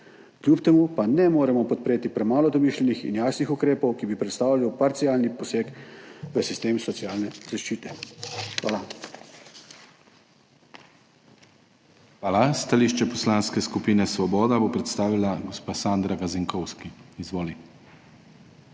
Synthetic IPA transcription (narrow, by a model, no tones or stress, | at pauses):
klʲjupt̪ɛmuːpanɛmoːɾɛmɔpɔt̪̚pɾeːt̪ipɾɛmaːlɔd̪ɔmiʃlʲɛnixḭnjaːsnixukɾeːpɔwkibipɾɛt̪st̪aːwlʲiwpaɾt̪siaːlnipɔseːkʋəsist̪eːmsɔt̪sijaːlnɛz̥aʃt͡ʃiːt̪ɛxʋa̰ːla | xʋaːlast̪aliːʃt͡ʃɛpɔslanskɛskupiːnɛsʋɔbɔːd̪abopɾɛt̪st̪aːʋilaɡɔspaːsaːnd̪ɾaɡaziŋkɔwskiizʋoːli